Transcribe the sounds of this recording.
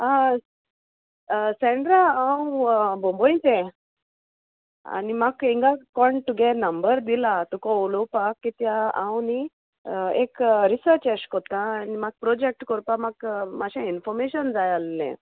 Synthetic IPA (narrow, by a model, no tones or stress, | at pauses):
a | sɛ̃ɳɖɾaãwbɔ̃mbɔit͡sɛ̃ | a̰nimakiŋɡakɔɳʈuɡɛnəmbəɾd̪ilat̪ukɔolopakːit̪jaãwni | ḛkɾisəɾt͡ɕɛt͡ɕkɔt̪ãnimaɡ̚pɾɔd͡ʑek̚ʈkɔɾpamakmaɕãinfɔɾmeɕənd͡zajalːɛ̰̃